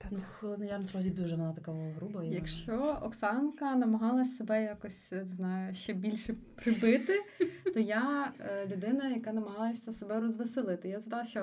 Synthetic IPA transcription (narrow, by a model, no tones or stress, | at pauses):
nulˠnɐjansɾɔɦɔdʲid̪uʒɛnɐnˠat̪ɐkaɔɦɾubɐijɐkʃt͡ʃɔɔksɑnkɐnɐmɐɦɑlˠɐsʲsebɛjakɔsʲznɑjʊʃt͡ʃɛbʲilʲʃɛpɾɪbɪt̪ɪt̪ɔjalʲʊd̪ɪnɐjɐkɑnɐmɐɦɑlˠɐsʲsebɛɾɔzʋɪsɪlˠɪt̪ɪjazɐd̪ɑlˠɐʃt͡ʃɔ